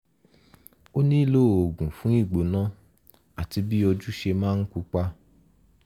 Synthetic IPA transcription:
o˦nĩ˦˨lo˦˨o˨ɡũ˨fũ˨˦i˦˨ɡ͡bo˨nã˦ | a˨ti˧bi˦ɔ˧d͡ʒu˦ʃe˧mãː˦˧n̩˦ku˧k͡pa˧˦

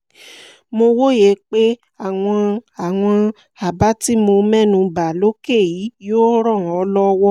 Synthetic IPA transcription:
mo˧wo˦je˨˦k͡pe˦ | a˦˨w̃ɔ̃˧a˨w̃ɔ̃˧ | a˨ba˨˦ti˦mo˧mɛ̃˦˨nũ˧ba˨lo˦ke˦˨ji˨˦jo˦ɾɔ̃˦˨ɔ˨˧˦lɔ˦˧wɔ˦

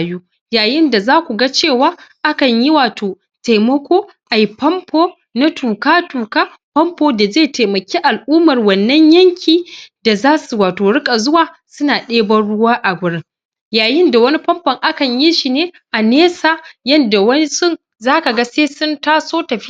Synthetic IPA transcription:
juː˦ | jaː˨jɪ˦nda˨zaː˦kʷu˨ɡa˦t͡ʃeː˦˨waː˦ʔa˦kɐ˨ɲji˦waː˨tʰoː˨ | te˨mɐ˦kʷoː˦ | ʔa˨ji˦pɐ˦mpʰoː˦ | na˦tuː˨kaː˦tuː˨kaː˦ | ɸɐ˦mpoː˦da˨zeː˦˨teː˨mɐ˨kʲiː˦ʔa˨lʔuː˦mɐ˨rwɐ˨nːɐ˦ɲjɐ˦ŋkʲʰiː˨da˨zaː˦su˨waː˨toː˨ɽɪ˦kʼa˨zʊ˦waː˨ | sʊ˦naː˨ɗeː˦bɐ˦nɽʊ˦waː˦ʔa˨ɡʷʊ˨ɽɪ˦ŋ | jaː˨jɪ˦nda˨wɐ˦ni˦pɐ˦mpɐ˨ŋʔa˦kɐ˨ɲji˦ʃi˨neː˦ | ʔa˨neː˦saː˨jɐ˦nda˨wɐ˦ni˦sʊ˦˨n | zaː˦ka˨ɡa˦seː˦sʊ˦ntaː˦soː˦tɐ˨ɸi˦

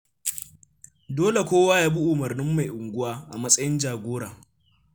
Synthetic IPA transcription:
doː˦le˨kʷoː˦waː˦jaː˦bu˦ʔʊ˨mɐ˨rnɪ˦mːa˨jʔʊ˨ŋɡʷʊ˦waː˦ʔa˨mɐ˦sʼɐ˦jɪ˦nd͡ʒaː˨ɡʷoː˦ɽaː˨

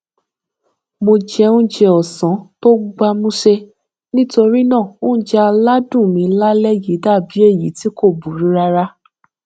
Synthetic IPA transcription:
mo˧d͡ʒɛ˧ũ˦d͡ʒɛ˧ɔ˨sã˨˦to˦ɡ͡ba˧mũ˦ʃe˧ | nĩ˦to˧ɾi˦nã˦˨õ˦d͡ʒɛ˧a˧la˦dũ˦˨mĩ˧la˦lɛ˦ji˨˦da˦˨bi˨˦e˦˨jḭ˨˦ti˦ko˦˨bu˨ɾi˨˦ɾa˧ɾa˦

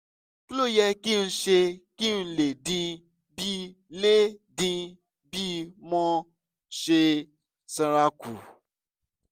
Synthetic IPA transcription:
ku˦lo˦˨jɛ˧ki˦n̩˧ʃe˧ki˦n̩˧le˨dĩ˧ | bi˦le˦dĩ˧ | bi˦mɔ̃˦ | ʃe˧ | sɛ̃˧ɾa˧ku˨

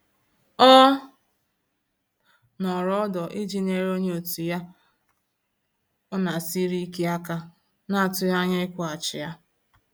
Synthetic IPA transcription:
ɔ˦ | nɔ˨ɾɔ˦dɔ˨ʔɪ˦d͡ʒi˦˨ne˨ɾo˦ɲe˦o˨tu˨ja˦ | ɔ˦na˨si˦ɾi˦ke˦a˦ka˦ | na˦a˨tʊ˦ja˦ɲa˦ɪ˦kʷa˨t͡ʃɪ̰˨ja˦

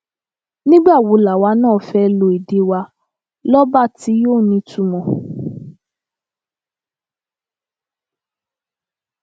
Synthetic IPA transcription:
nĩ˦ɡ͡ba˦˨wo˨˦la˨wa˨˧˦nãː˦˨fɛ˦lo˧˨i˨de˨˦wa˧ | lɔ˦ba˦˨ti˨˦joː˦˨nĩ˧˦tu˦˨mɔ̃˧˨

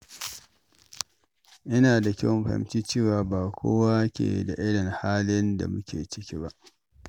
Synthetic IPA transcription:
ʔɪ˦naː˨da˨kʲɛ̰˦mɸa̰˨ɪ̰˨mt͡ʃiː˦t͡ʃeː˦˨waː˦baː˨kʷʰo̰ː˦wa˦kʲḛ˨da̰˨ʔɪ˦lɪ˨ŋhaː˦lɪ˦nda̰˨mʊ˦kʲḛː˨t͡ʃɪ˦kʲi˦ba˦ʔ

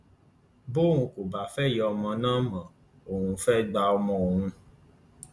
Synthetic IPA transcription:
bo˦˨ɦũ˧ko˨ba˨fɛ˦˨jɔ˧mɔ̃˧nãː˦mã˨ | o˨hũ˧fɛ˦ɡ͡ba˧ɔ˧mɔ̃˧o˨ɦũ˧

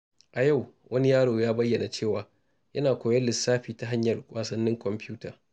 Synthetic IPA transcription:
ʔa˨ja˦˨wwʔɐ˦ni˦jaː˦ɽoː˨jaː˦bɐ˦jːɐ˨na˨t͡ʃeː˦˨waː˨ | jɐ˦naː˨kʷoː˨jɛ˦lɪ˨sːaː˦ɸiː˨ta˨ɦa˦ɲjɐ˨rkʷʼʔaː˨sɐ˦nːɪ˦ŋkʷɔ˨mpɪ˦uː˦taː˨

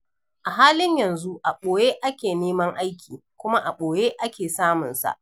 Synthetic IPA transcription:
ʔa˨ɦaː˦lɪ˦ɲjɐ˨nzu˦ʔa˨ɓoː˨je˦ʔa˦kʲeː˨neː˦mɐ˦ŋʔa˦jkʲiː˨ | kʷʊ˦ma˦ʔa˨ɓoː˨jeː˦ʔa˦kʲeː˨saː˦mʊ˨nsa̰˨ʔ

